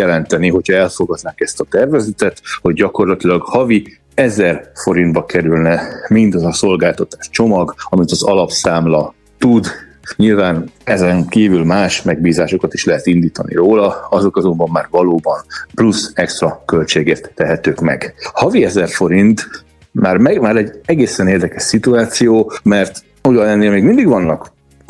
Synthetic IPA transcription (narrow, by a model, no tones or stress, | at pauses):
ɛlɛnt̪ɛniɦo̞cʰhɒɛlfo̞ɡɒd̪naːkɛst̪ɒt̪ɛrvɛzɛt̪ɛt̪ho̞ɟɟɒko̞rlɒt̪ilɒɡhɒvi | ɛzɛrfo̞ɾind̪̚bɒkɛɾylnɛmind̪ɒzɒso̞lɡaːlt̪ɒt̪aːʃt͡ʃo̞mɒɡɒmit̪ɒzɒlɒpsaːmlɒ | t̪ud̪ | ɲilvaːnɛzɛŋkiːvylmaːʃmɛɡ̚biːzaːʃo̞kɒt̪iʃlɛɦɛt̪ind̪iːt̪ɒnʔḭroːlɒɒzo̞kɒzo̞mbɒmːaːrvɒloːbɒnplusɛkst̪rɒkø̞lt͡ʃeːɡeːrt̪ːɛɦɛt̪øːkmɛ̰ɡhɒviɛzɛrfo̞ɾint̪ | maːrmɛmaːɾɛɟɛɡeːsɛneːrd̪ɛkɛʃsit̪uaːt̪sijoːmɛrt̪ | ujɒnɛnːeːmeːɡmind̪iɡʋɒnːɒk